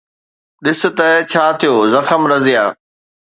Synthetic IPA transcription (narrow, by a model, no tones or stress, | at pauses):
ɗɪsɪ̆t̪ɐt͡ɕʰaːt̪ʰijoːzɐxəmɾɐzɪjaː